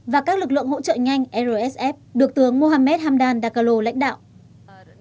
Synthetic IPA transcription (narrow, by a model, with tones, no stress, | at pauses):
vaː˨˩kaː˦˥k̚lɨ˨˩k̚lɨ̰˧˨əŋho̰˧˥t͡ɕə̰ː˧˨ɲa˧jŋ̟ʔɛ˧zo˧ʔɛ˦˥sʔɛ˦˥p̚ɗɨ˨˩ək̚t̪ɨ˨˦əŋmo˧ɦaː˧mɛ˦˥t̚haː˧mɗaː˨˧nɗaː˧˩ka˧lo˧la̰˧˥jŋ̟ɗa̰ː˧˨wʔ